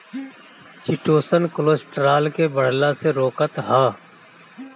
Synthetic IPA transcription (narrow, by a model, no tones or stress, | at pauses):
sɪʈoːsənkʊlosʈɾaːlkebəɽ̤laseɾoːkət̪ɦaː